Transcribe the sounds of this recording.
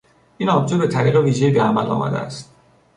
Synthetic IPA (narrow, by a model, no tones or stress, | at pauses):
ʔiːnɒb̚d͡ʒobe̞t̪ʰæɾiːɣeviːʒejiːbeæmælɒ̰ːmæ̰d̪eæ̰st̪